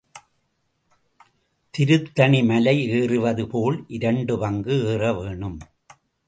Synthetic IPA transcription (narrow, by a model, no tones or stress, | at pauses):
t̪ɪɾɯt̪ːɐɳimɐlɐɪeːrɯʋɐðɯpoːlʔɪɾɐɳɖɯʋɐŋɡɯeːrɐʋeːɳɯm